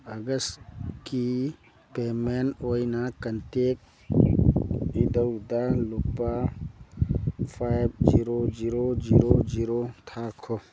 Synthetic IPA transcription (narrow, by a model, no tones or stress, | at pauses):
ɐɡəst̪ki | pemenoːjnakɐnt̪eːk̚ | id̪əd̪alupːa | fʰabd͡ʒiɾod͡ʒiɾod͡ʒiːɾod͡ʒiːɾot̪ʰaːkʰo